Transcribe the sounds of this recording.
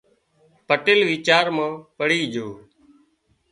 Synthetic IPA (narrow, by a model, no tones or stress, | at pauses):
pəʈɪlʋiːt͡ʃaːɾmãːpəɽiːd͡ʒoː